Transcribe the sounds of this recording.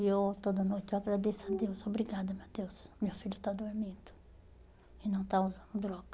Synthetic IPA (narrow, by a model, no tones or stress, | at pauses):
ewt̪od̪ɐnojt̪ɪewaɡɾad̪esʊad̪ewsobɾiɡad̪ɐmewd̪ewsmewfiʎʊt̪ad̪oɾmĩd̪ʊ̥ | ɪnɐ̃w̃t̪auzɐ̃nd̪ʊd̪ɾɔɡɐ̥